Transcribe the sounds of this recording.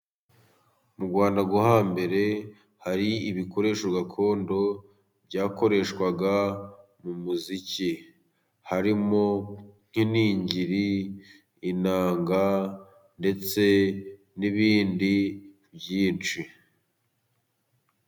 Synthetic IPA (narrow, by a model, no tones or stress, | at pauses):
muɡwaːndaɡuhambe̞ɾe̞ | haɾiiβiko̞ɾe̞ːʃoɡakʰo̞ːndo̞ | bɟaːko̞ɾe̞ʃkwaɡa | mumuzici | haɾimo̞ŋ̥hiniːɲɟiɾiː | naːŋɡa | nde̞t͡se̞ | niβiːndi | bjiːnt͡ʃi